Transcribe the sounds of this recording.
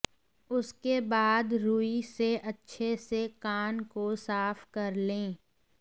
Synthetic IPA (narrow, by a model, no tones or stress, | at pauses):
ʊskebaːd̪ɾuːiseʔɐtːʃʰesekaːnkosaːfkɐɾlẽː